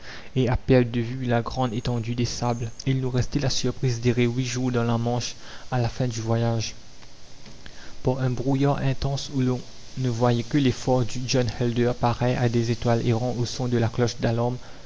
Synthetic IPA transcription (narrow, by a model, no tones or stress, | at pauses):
eapɛʁd̪əvylaɡʁɑ̃d̪et̪ɑ̃d̪yd̪esablilnuʁɛst̪ɛlasyʁpχizd̪eʁewiʒuʁd̪ɑ̃lamɑ̃ʃalafɛ̃d̪yvwajaʒ | puʁɛ̃bʁujaʁɛ̃t̪ɑ̃sulɔ̃ | nəvwajɛkəlefɔʁd̪yd͡ʒɔnhɛld̪œʁpaʁɛʔad̪ezet̪waleʁɑ̃ʔosɔ̃d̪əlaklɔʃd̪alɔm